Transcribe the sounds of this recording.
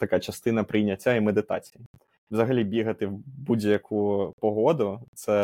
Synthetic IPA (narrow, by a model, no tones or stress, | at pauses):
t̪ɐkat͡ʃɐst̪ɪnɐpɾɪjnʲɐtʲːaimed̪ɪt̪ɑ̰t͡sʲiji | wzɐɦɐlʲibʲiɦɐt̪ɪwbudʲjɐkʰupɔɦɔd̪ʊt̪sɛ